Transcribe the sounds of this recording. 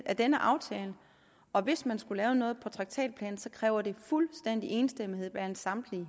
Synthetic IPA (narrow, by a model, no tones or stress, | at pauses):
æd̥enəʔɑ̈ʊt͡sʰɛːlə | ɒ̽ʋe̝smænsɡ̥ulɛːʊənɔ̽ːð̞̩ˠpʰɒ̽t͡sʰʁɑ̈ɡ̥̚t͡sʰɛ̰ːd̥̚pʰlɛ̰ːn̩sɒ̽kʰʁɛːʊɐd̥e̝fulsd̥en̰d̥iʔe̝ːnsd̥emihe̝ð̞̰ˠʋæɐsɑ̈md̥li